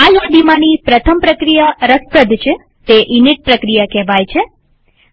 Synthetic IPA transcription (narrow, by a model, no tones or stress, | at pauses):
alɔd̪imãnipɾət̪ʰəmpɾəkɾijaɾəspɾəd̪ʱt͡ʃʰe | t̪eʔiniʈ̚pɾəkɾijakɛɦʋajt͡ʃʰe